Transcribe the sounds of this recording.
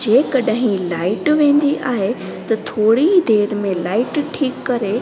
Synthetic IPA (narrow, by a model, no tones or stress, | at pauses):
d͡ʑeːkɐɗɦĩlaːɪʈʋẽːn̆d̪iʔaːɦe | t̪ɐt̪ʰoːɽid̪eːɾmẽlaːɪʈʈʰiːkːɐɾe